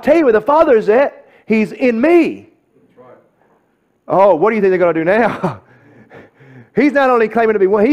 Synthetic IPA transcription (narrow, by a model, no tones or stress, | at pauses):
tʰɛlˠjɨwɨðəfɑðə˞zɨt̚ | hizɪ̃nmi | ʔoʊwʌt̚d̥ɨθɪ̃ŋkðəɡʌ̃nɨdɨnaʊ | hiznəɾõʊ̃nlikl̥ẽɪ̃m̃ɪ̃tɨbiwʌ̃nhi